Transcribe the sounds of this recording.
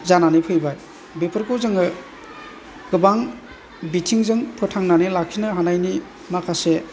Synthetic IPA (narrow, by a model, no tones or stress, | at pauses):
zananipʰɯjbaj | bepʰɯɾkɯwzɯŋɯ | ɡ̥ɯbaŋ | bitʰiŋzɯŋpʰɯtʰaŋnanilakʰinɯɦanajni | makʰase